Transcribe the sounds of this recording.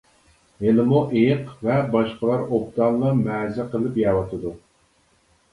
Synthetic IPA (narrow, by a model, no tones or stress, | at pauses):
ɦelɪmuʔejqvɛbɑʃqəlˠɑɾop̚t̪ɑlˠnɑmɛːzɪqəlˠɨpjɛwɑt̪ʰɨd̪u